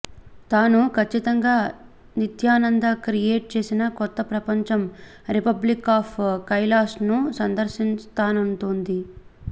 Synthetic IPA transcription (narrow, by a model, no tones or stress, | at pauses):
t̪aːnukʰɐt͡ʃːit̪ɐŋɡaː | nit̪jaːnɐnd̪ɐkɾijeːʈ̚t͡ʃe̞ːsinɐkɔt̪ːɐpɾɐpɐɲt͡ʃɐm | ɾipɐblikaːpʰkɐjlaːsnusɐnd̪ɐɾʃinst̪aːnɐnʈond̪i